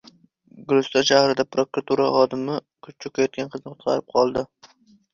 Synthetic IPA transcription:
ɡlˠʊst̪aʃahɾɪd̪apɾokɾat̪ʰuɾaχɒd̪ɪmɪ | kʰʊt͡ʃt͡ʃʰʊkʲajɒt̪̚ɡʲanqʰɨznɨqʰʊt̪qʰɑ̰ɾɪp̚qʰɒlˠd̪ɪ

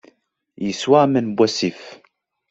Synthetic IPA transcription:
jiswaːmɪnbwasif

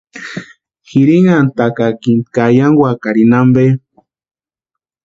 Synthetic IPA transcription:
xiɾiŋant̪akakint̪kajaŋɡwakaɾinambe

